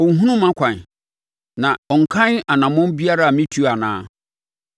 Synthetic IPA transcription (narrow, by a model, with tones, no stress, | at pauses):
o˨ŋ̩˨˦ɦũ˦nũ˦mã˦kʷʰã˨n˨ | nã˨ɔ˨ŋ̩˨kʰã˦na˨nã˨mʊ̃˦n˦bi˦a˦ɾa˦a˨mĩ˦tʰu˦˨a˨nã̰ː˦